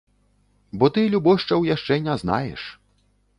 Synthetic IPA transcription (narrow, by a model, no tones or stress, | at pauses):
bɔt̪ɨlʲubɔʂt͡ʂɐwjaʂt͡ʂɛnʲɛzna̰jɛ̰ʂ